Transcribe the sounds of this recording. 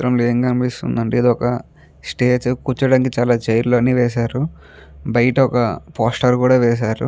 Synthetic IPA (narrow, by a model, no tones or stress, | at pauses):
ɾɐmloeːŋkɐnpist̪ṵnd̪ɐɳʈiːd̪oɔkɐ | sʈeːd͡ʒkut͡ʃːɐɽaːnkit͡ʃaːlaːt͡ʃɐjɾloɐnːiːʋɛːsaːɾu | bɐjɐʈɐɔkɐpoːsʈɐɾkuːɽaːʋɛːs̬aːɾṵ